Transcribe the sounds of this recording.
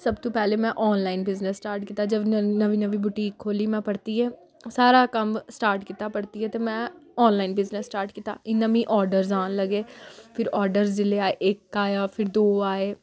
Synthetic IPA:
səbt̪õːpɛːleːmɛ̃ːʔɔːnlaːɪnbɪznəsːʈaːɾʈkɪːt̪aːd͡ʒəbnəʋiːnəʋiːbʊʈiːkʰːoːliːmɛ̃ːpəɽt̪iːɛː | saːɾaːkəmsʈaːɾʈkɪt̪aːpəɽt̪iːɛːt̪eːmɛ̃ːɔːnlaːɪnbɪznəsːʈaːɾʈkɪt̪a̰ːɪnəmĩːʔɔːɾɖəɾzãːnləɡeːpʰɪɾɔːɾɖəɾzd͡ʒɪleaːeːʔɪkːaːjaːpʰɪɾd̪oːaːeː

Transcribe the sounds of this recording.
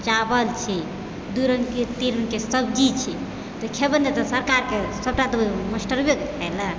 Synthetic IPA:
t͡ʃabəlt͡ʃʰi | d̪uɾəŋɡket̪iɾəŋkesəbd͡ʒit͡ʃʰi | t̪ɔkʰebənd̪et̪ɔsəɾkaɾkesəb̚ʈat̪əməsʈəɾbjoɡʰajlə

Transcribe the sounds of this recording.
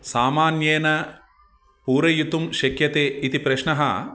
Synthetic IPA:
saːmaːnjeːnɐ | puːɾɐjut̪umʃɐkjɐt̪eːit̪ipɾɐʃɳɐɦɐ̰

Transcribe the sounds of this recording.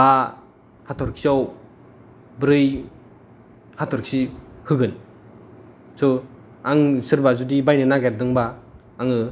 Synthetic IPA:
a | hatʰɔɾkʰsiɔw | bɾɯj | hatʰɔɾkʰsihɯɡɯn | sɔ | aŋsɯɾbazudibajnɯnaɡɛt̚dɯŋbaː | ŋɯ

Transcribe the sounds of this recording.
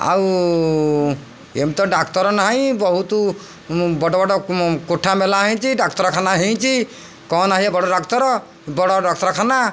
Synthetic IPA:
a̰w | emt̪ɔɖakt̪ɔɾɔnaɦãbɔɦut̪u | bɔʈɔbɔɖɔkoʈʰːamelaɦĩt͡ʃʰiɖak̚t̪ɔɾɔkʰanaɦĩt͡ʃʰi | kɔnaɦiabɔɽɔɖakt̪ɔɾɔ | bɔɽɔɖakt̪ɔɾɔkʰana

